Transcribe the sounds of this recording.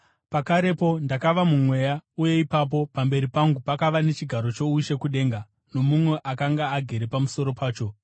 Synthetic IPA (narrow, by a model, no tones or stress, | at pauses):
pakaɾe̞po̞ndakaʋamumwe̞ːjauje̞ipap̬o̞pambe̞ɾipaŋɡupakaʋane̞t͡ʃiɡʱaɾo̞t͡ʃo̞uʃe̞kuɗe̞ːŋɡa | no̞mumwe̞ʔakaŋɡaːɡʱe̞ɾe̞pamuso̞ɾo̞pʰaːt͡ʃo̞